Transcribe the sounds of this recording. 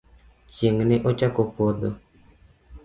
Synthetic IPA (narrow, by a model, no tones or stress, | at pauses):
t͡ʃeŋnɪʔot͡ʃakopod̪o